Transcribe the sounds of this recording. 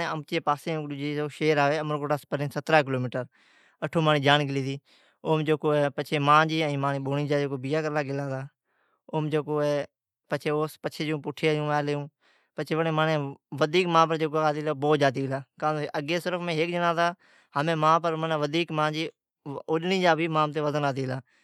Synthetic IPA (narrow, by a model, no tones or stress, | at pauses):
eəmt͡ʃeːpaːsẽːʊ̃kʊd͡ʒiːoːʃeːɾaːʋeːəməɾkoːʈaːspəɾẽːsət̪ɾaːk̬ɪloːmiːʈəɾ | əʈʰoːmãːnĩːd͡ʒaːnɡɪliːd̪iː | oːmd͡ʒoːkoːepət͡ʃʰeːmãːd͡ʒiːə̃ĩːmãːnĩːɓoːniːd͡ʒaːd͡ʒeːkoːbiːjaːkəɾlaːɡɪlãːt̪aː | oːmd͡ʒeːkoːeː | pət͡ʃʰeːoːspət͡ʃʰeːd͡ʒõːpʊʈʰːeːd͡ʒũːɛːleːũː | pət͡ʃʰeːʋənẽːmaːnẽːʋəd̪ʱiːkmãːpəɾd͡ʒoːkoaːt̪iːlaːboːt̪̚d͡ʒaːt̪̬iːɪlaːkaːəɡeːsəɾəfʰmẽːɦek̚d͡ʒənãːt̪aː | həmẽːmãːpəɾmənãːʋəd̪ʱiːkmãːd͡ʒiː | ʊɗnĩːd͡ʒaːbiːmãːmt̪̬eːʋəzənaːt̪iːlaː